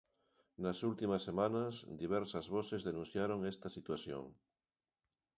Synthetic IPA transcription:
nɐsult̪imɐsːemãnɐsd̪iβ̞ɛɾsɐzβɔsezðenũn̟θjaɾoŋest̪ɐsit̪waθjo̰ŋ

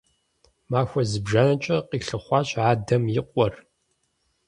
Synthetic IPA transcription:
maːxʷɔzɨbʒaːnɐt͡ʃʼɐqiːɬɨχʷɑːɕʼaːdɐmjɪqʷʼɔr

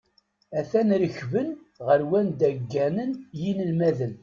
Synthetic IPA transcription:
æθænɾəçvən | ʁəɾwænd̪æɡːænənjinəlmæðən

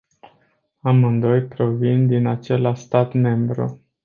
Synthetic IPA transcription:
amɨnd̪o̞jpɾo̞vind̪inat͡ʃe̞laʃst̪at̪me̞mbɾṵ

